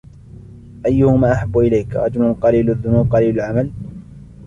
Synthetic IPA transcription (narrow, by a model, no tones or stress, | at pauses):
ʔajːʊhʊmaːʔaħabːʊʔɪlajkɾˤɑ̰d͡ʒʊlʊnqɑliːlaðːʊnuːb̚qɑliːlʊlʕamal